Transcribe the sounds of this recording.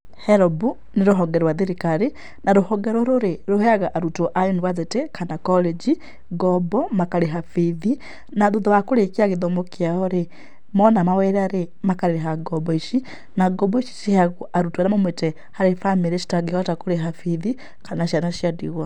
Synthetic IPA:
hɛɾɔbu | neɾoɦɔɡɛɾwaðeɾikaɾe | naɾohɔɡɛɾoɾoɾeɾoheaɣaʔaɾutoʔajonwad͡zetekʰanakɔlɛd͡ʒi | ɡɔbɔmakaɾeɦafiði | naðoðowakoɾekeaɣeðomokiaɔɾe | mɔnamawɛɾaɾe | makaɾeɾeɦaɡɔbɔiʃi | naɡɔbɔiʃi̥sihaɣoʔaɾutoaɾamamwetɛ | haɾefamiɾeʃi̥taɡehɔtakoɾeɦafiði | kanaʃanaʃiadiɣwɔ

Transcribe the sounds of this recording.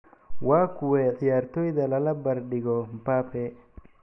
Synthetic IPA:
waːkʰʊwɛʕɪjaːrt̪ʰɔːjðɐlɐlɐbɐrɖɪɣɔmpaːpʰɛ

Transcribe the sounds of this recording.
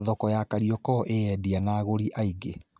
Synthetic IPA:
ðɔkɔjakaɾiɔkɔʔeɛdianaːɣoɾiʔaiɡe

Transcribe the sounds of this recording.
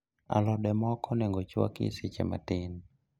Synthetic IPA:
a̰lɔdɛmɔkʰɔnɛŋɡɔt͡ʃwa̰kḭsɪt͡ʃɛ̰ma̰tɪn

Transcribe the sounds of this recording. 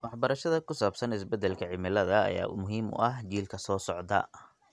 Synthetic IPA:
wɑħbɐɾɐʃɐðɐkʊsaːbsɐnɪsbɛd̪ɛlkʰɐʕɪmɪlɐðɐ̰ːja̰ːmʊɦiːmʊ̰ʔɐɦt͡ʃiːlkʰɐsɔːsɔʕd̪ɐ̰

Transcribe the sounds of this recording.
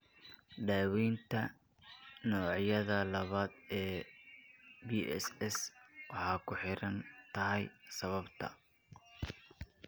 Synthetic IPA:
ɖaːwiːnt̪ʰɐ | nɔːʕjɐðɐlɐβaːd̪ɛː | biːɛ̰sɛswɑħɑːkʰʊħɪɾɐnt̪ʰɐɦɛjsɐβɐbt̪ʰɐ̰

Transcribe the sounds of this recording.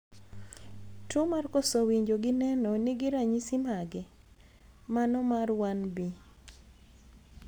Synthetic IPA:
tʊmarkosowiɲd͡ʒoɡɪnɛnɔnɪɡɪɾaɲisimaɡɛ | manɔmarwanbi

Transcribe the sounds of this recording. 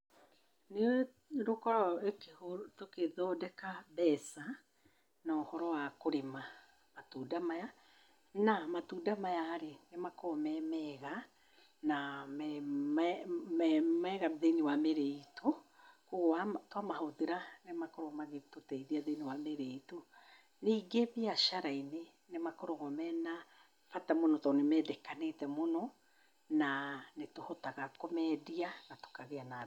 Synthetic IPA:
ne | ɾokɔɾɔekehotokeðɔːdɛkabɛsa | nɔhɔɾɔwakoɾema | matuːdamaja | namatuːdamajaːɾenemakɔmɛmɛɣa | namɛmmɛmɛɣaðeniwameɾeito | koɣoatwamahoðeɾanemakoɾɔmaɣetotɛiðiaðeniwameɾeito | niːɡeβiaʃaɾaine | nemakoɾɔɣɔmɛna | fatamonɔtɔnemɛːdɛkanetɛmonɔ | nanetohotaɣakɔmɛdianato̥kaɣeana

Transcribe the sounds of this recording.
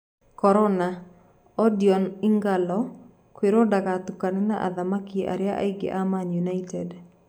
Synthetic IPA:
kɔɾɔna | ɔdiɔnɪŋɡalɔ | kweɾɔdaɡat̪ukanɪnaʔa̰ðamakiʔa̰ɾjaʔa̰iɡḛʔamanjunaitɛd

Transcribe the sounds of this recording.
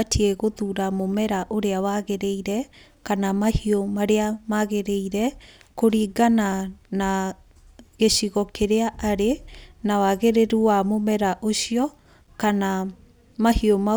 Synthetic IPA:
atʰiɛɣoðuɾamomɛɾaʔoɾeawaɣeɾeiɾɛ | kanamahiomaɾeamaɣeɾeiɾɛkoɾiːɡanana | ɣeɕiɣɔkeɾeaʔaɾenawaɣeɾeɾuwamomɛɾaʔoɕiɔ | kana | mahioma

